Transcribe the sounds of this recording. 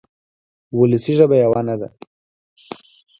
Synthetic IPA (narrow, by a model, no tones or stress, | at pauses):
wʊləsiʒəbajawanad̪a̰